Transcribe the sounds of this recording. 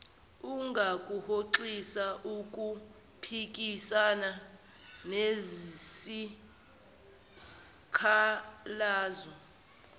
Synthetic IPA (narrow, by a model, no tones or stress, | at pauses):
uŋɡʱakʼuhoǃisaʔukʼu | pʰik̬ʼisana | nezisi | kʰalaːzɔ